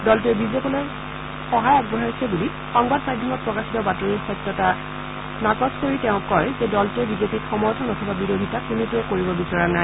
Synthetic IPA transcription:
dɔltuɛbizepɔloj | xɔɦajaɡ̚bɔɦaɹsɛbuli | xɔŋbadmadʱiɔmɔt̚pɹɔkasitɔbatɔɹiɹxɔtːɔta | nakɔskoɹitɛʊ̃kɔjzɛdɔltuɛbizepitxɔmɔɹtʰɔnɔtʰɔbabiɹodʱitakunituɛkoɹibɔbisɔɹana

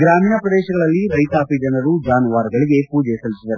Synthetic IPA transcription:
ɡɾaːmiːnɐpɾɐd̪ɛːʃɐɡɐɭɐlːiɾɐjt̪aːpid͡ʒɐɳɖɐɾud͡ʒaːnuʋaːɾɡɐɭiɡeːpuːd͡ʒɛːsɐlit͡ʃːinɐɾu

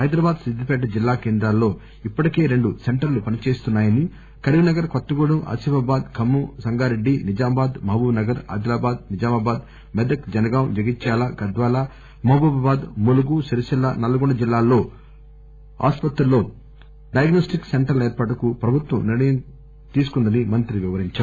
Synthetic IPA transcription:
ɦɐjd̪ɾɐbaːd̪sid̪ʱːipɛːʈɐd͡ʒilːaːkeːnd̪ɾaːlːo̞ː | ipːɐʈike̞ːɾe̞ɳɖuse̞ɳʈɐɾlupɐnit͡ʃe̞ːst̪unːaːjɐni | kɐɾʋinɐɡɐɾkɐt̪ːɐɡuɽumʔɐ̰sibɐbaːd̪kʰɐmːusɐŋɡaːɾeɖːinid͡ʒaːmɐbaːd̪mɐbuːnɐɡɐɾa̰ːd̪ilaːbaːd̪̚nid͡ʒaːmɐbaːd̪ | mɛd̪ɐkd͡ʒɐnɐɡaːwnd͡ʒɐɡit͡ʃːaːlaːɡɐd̪ʋaːlaː | mɐbɐbɐbaːd̪muluɡuʃiɾɐʃilːɐ̰nɐlɐɡuɳɖɐd͡ʒilːaːlːo̞ː | a̰ːspɐt̪ɾɐlːo̞ː | ɖɐjɐɡnoːsʈikseɳʈɐɾle̞ːɾpɐʈɐkupɾɐbʱut̪ʋɐmniɽɐjɐm | t̪iːsu̥kund̪ɐnimɐnt̪ɾiʋiʋɐɾiɲt͡ʃaː

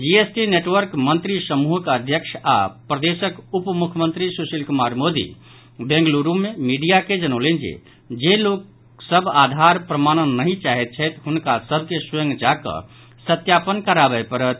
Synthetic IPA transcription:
d͡ʒiesʈineʈʋəɾkmənt̪ɾisəmuɦəkəd̪ʱjəkʃʰa̰pɾəd̪esəkupmukʰmənt̪ɾisosəlkumaɾmod̪ḭ | bẽŋɡluɾumẽmiɖijaked͡ʒənəlend͡ʒḛ | d͡ʒelok | səbʱad̪ʱaɾpɾəmañənːəɦĩt͡ʃaɦɛt̪̚t͡ʃʰɛt̪ɦunkasəbʱkesə̃ŋɡd͡ʒakə̰̃ | sət̪japənkəɾabɛepəɾət̪̚

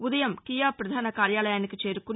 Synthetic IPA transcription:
ud̪ɐjɐmkijaːpɾɐd̪ʱaːnɐkaːɾjaːlɐjaːnikit͡ʃe̞ːɾukun

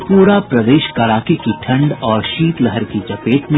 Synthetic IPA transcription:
puːɾapɾɐd̪eːʃkɐɽaːkikiʈʰɐ̃ɳɖɔːɾʃiːt̪lɐɦəɾkit͡ʃɐpeːʈmẽ

